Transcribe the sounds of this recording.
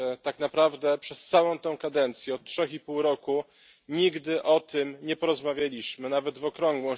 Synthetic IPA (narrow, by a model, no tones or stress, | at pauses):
t̪aknapɾavd̪ɛpʂɛst̪sawɔ̃w̃t̪ɛw̃kad̪ɛnt̪sʲjɛɔt̪̚tʂɛxipuwɾɔku | ɲiɡd̪ɘʔɔt̪ʰɘmɲɛpɔɾɔzmavʲjalʲiɕmɘnavɛd̪vɔkɾɔŋɡwɛ̃